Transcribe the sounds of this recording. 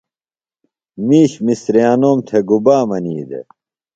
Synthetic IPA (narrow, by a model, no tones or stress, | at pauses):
miːɕmisɾeaːnoːmt̪ʰeɡubaːmɐniːd̪ḛ